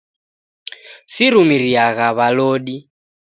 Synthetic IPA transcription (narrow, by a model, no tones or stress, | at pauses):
siɾumiɾiaɣaβaloːɗi